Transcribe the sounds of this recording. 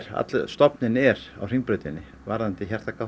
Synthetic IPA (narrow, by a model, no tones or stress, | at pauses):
ɾa̰t̪lst̪ɔpnɪnɛɾa̰wr̥iŋpɾeːjt̪ɪnːɪ | vaɾðant̪ɪçɛr̥t̪aka